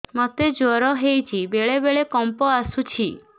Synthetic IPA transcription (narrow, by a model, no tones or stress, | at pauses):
mɔt̪ed͡ʒɔɾɔɦejt͡ʃʰibeɭebeɭekɔmpɔasut͡ʃʰi